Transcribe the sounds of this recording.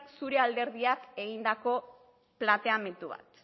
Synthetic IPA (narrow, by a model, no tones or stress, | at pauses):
suɾe̞ald̪e̞ɾð̞iake̞ɣ̞ind̪ako̞ | plat̪e̞ame̞nt̪uβa̰t̪